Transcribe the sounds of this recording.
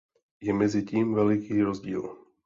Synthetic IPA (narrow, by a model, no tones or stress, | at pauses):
jɛmɛziciːmvɛlɪkiːɾozɟḭːl